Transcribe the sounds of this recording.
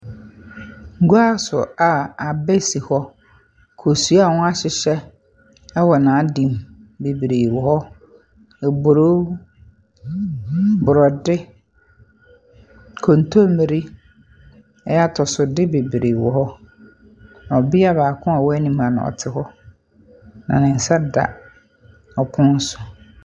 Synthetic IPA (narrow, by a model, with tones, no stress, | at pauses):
ŋ̩˦ɡu˦a˦sʊ˨a˨a˨bɛ˦si˨hɔ˦ | kʰo˨su˨˦a˦˨wʊ̃˦a˦ɕɪ˨ɕɛ˦ | ɛ˦wɔ˨nã˨˦dĩ˨m | be˨bɾe˨wɔ˨hɔ˦ | ɛ˨bo˨ɾo˦ | bʊ˨ɾɔ˨dɪ˦ | kʰõ˨n˨tʰo˦mĩ˨ɾi˦ | ɛ˦a˦˨tʰɔ˨sʊ˨dɪ˦be˨bɾe˨wɔ˨hɔ˦ | n˨ɔ˨bɪ˦a˦baː˨kʰʊ̃˦a˨wɔ˦ɛ˦nĩ˨mã˨ñ̰˨ɔ̰˨tʰɪ˨hɔ˦ | nã̰˨nɪ̃˨n̩˨sa˦da̰˨ | ɔ˨kʰʊ̃˦n̩˦sʊ̥˨